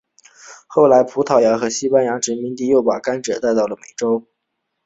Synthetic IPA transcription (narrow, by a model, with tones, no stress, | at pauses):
xo˥˩ʊla˧˥ɪpʰu˧˥t̪ʰɑ˨˩ʊja˧˥xɤ˧˥ɕi˥pa˥nja˧˥ʈ͡ʂɻ̩˧˥mi˧˥nt̪̬i˥˧jo˥˩ʊpa̰˨˩ka˥nʈ͡ʂɤ˨˩t̪a˥˧ɪt̪ɑ˥˩ʊlə˩me˨˩ɪʈ͡ʂo˥ʊ